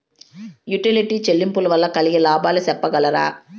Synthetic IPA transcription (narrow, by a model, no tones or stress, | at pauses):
juʈiliʈiːt͡ʃelːimpulɐʋɐlːɐkɐliɡilaːbaːlusɛpːɐɡɐlɐɾa̰ː